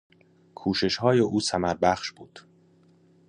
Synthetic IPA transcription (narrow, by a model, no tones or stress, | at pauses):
kʰuːʃe̞ʃhɒːjeʔuːsæmæɾbæχʃb̥uːd̪̥